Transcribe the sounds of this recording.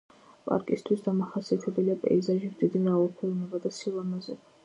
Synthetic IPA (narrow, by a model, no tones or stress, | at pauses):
pʼa̰ɾkʼist̪ʰwisd̪amaχasiat̪ʰɛbɛliapʼɛ̰izaʒimd̪zid̪imɛalɔpʰulˠnɛbad̪asilˠamazɛ